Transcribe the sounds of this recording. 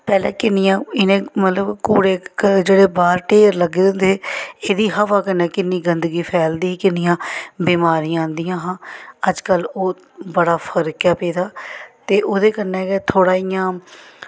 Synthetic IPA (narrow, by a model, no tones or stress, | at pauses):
pɛːlɛːkɪnːɪjãːɪnẽːmət̪ləbkuːɽeːd͡ʒeːɽeːbaːɾʈeːɾləɡɪnd̪eːeːd̪iːɦəʋaːkənːɛ̃ːkɪnːiːɡənd̪əɡiːpʰɛːld̪iːkɪnːɪjãːbiːmaːɾijãːnd̪ijãːɦãːəd͡ʒkəloː | bəɽaːpʰəɾkjaːpeːd̪aːt̪eːʔoːd̪eːkənɛ̃ːɡɛːt̪ʰoːɽaːijãː